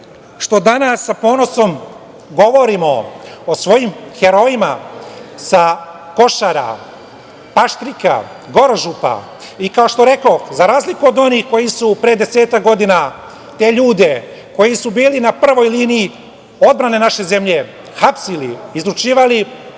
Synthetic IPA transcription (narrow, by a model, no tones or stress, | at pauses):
ʃt̪o̞d̪anasːapo̞ːno̞so̞m | ɡo̞ʋo̞ɾimo̞osʋo̞jimxe̞ɾo̞ima̰ | sa | ko̞ʃaɾa̰ | paʃt̪ɾika̰ | ɡo̞ɾʒupa̰ | ikao̞ʃt̪oɾe̞ko̞xzaɾaːzlikuod̪o̞niːxko̞jisupɾeːd̪e̞se̞ːt̪akɡo̞d̪ina | t̪e̞ːʎuːd̪e̞ | ko̞jisubiːlinapr̩ʋo̞jliːnii | o̞d̪̚bɾane̞naʃe̞ze̞mʎe̞ | xapsiliːzɾut͡ʃiːʋali